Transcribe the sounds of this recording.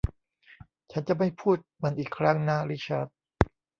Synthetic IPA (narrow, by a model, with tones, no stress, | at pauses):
t͡ɕʰa˦˥nt͡ɕa˨˩ma˥˩jpʰuː˥˩t̪̚ma˧nʔiː˨˩kʰɾa˦˥ŋnaː˥˩ɾi˦˥t͡ɕʰa˦˥˩t̪̚